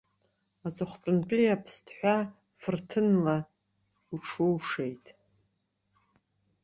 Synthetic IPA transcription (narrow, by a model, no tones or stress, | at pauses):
at͡sʼɨχʷpʼɨnpʼijapʰstʰʼħʷᶣa | fɨrtʰɨnla | uʈ͡ʂʰuwʂejtʼ